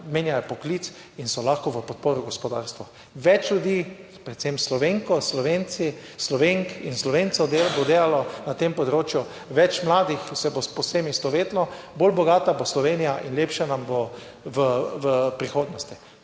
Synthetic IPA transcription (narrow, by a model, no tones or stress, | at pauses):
meːnjajɛpɔkliːt̪s | insɔlaxkɔʋəpɔt̪̚poːɾɔɡɔspɔd̪a̰ːɾst̪ʋɔ | ʋɛt͡ʃljud̪iː | pɾɛt̪semslɔʋeːŋkɔslɔʋeni | slɔʋeŋkinslɔʋentsɔd̪elbod̪eːlalɔnat̪empɔd̪ɾoːt͡ʃjʊ | ʋɛt͡ʃmlaːd̪ixsɛboposemist̪ɔʋeːt̪lɔ | bolbɔɡaːt̪aboslɔʋeːnijaʔinleːpʃanambo | ʋəʋəpɾixoːd̪nɔst̪i